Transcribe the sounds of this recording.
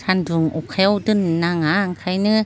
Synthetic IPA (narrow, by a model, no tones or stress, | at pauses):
tʰanduŋukʰɛwdɯnːaŋaŋkʰajnɯ